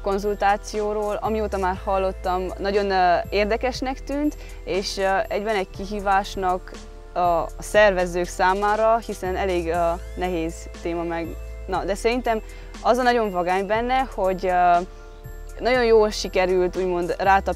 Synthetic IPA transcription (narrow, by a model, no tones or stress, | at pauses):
ko̞nzult̪aːt̪sijoːɾoːlɒmioːt̪ɒmaːrhɒlːo̞t̪ːɒmnɒɟo̞neːrd̪ɛkɛʃnɛkt̪yːnt̪ | eːʃɛɟbɛnɛckiɦiːvaːʃnɒk | ɒsɛrvɛzøːksaːmaːɾɒhisɛnɛleːɡø | nɛɦeːz | t̪eːmɒmɛɡ | nɒd̪ɛsɛɾint̪ɛm | ɒzɒnɒɟo̞ɱvɒɡaːɲbɛnːɛho̞ɟ | nɒɟo̞njoːlʃikɛɾylt̪uːɟmo̞nd̪raːt̪ɒ